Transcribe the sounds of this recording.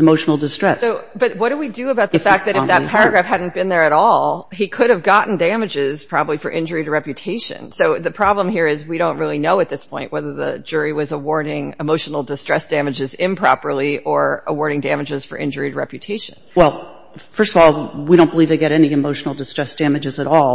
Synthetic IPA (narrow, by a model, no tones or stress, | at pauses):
ɨmoʊʃn̩l̩ˠdɨstɹ̥ɛsʊb̥ʌt̚wʌt̚d̥ɨwidɨəbaʊt̪̚ɨfæk̚ðɨɾɨfðɨtpʰɛɹɨɡɹæfhædⁿn̩b̥ɨ̃nðə˞ɨɾɔlˠikʰʊɾɨvɡɑʔn̩dæ̃mɨd͡ʒɪz̥pʰɹ̥ɑbəblifə˞ʔɪ̃nd͡ʒə˞iɾɨɹɛpjɨtʰeɪʃɨ̰̃nsoʊðɨpʰɹ̥ɑblə̃mɦiɹɪzwiɾõʊ̃nt̚ɹɪlˠinoʊɨt̪̚ðɪspʰɔ̃ɪ̃nʔwɛðə˞ðɨ̰d͡ʒʊɹiwʌzəwɔɹɾɪ̃ŋɨmoʊʃn̩l̩ˠdɨstɹ̥ɛsd̥æmɨd͡ʒɨzɪ̃mpʰɹ̥ɑ̰pə˞lˠiʔə˞əwɔɹɾɪ̃ŋdæ̃mɨd͡ʒɨz̥fə˞ʔɪ̰̃nd͡ʒə˞iɾɨɹɛ̰pjɨtʰeɪʃɨ̰̃nwɛlˠ | fɜ˞stʌvɔlˠwiɾõʊ̃nbəlivðeɪɡɛɾɛniɨmoʊʃn̩l̩ˠdɨstɹ̥ɛsd̥æmɨd͡ʒɨzɨɾɔlˠ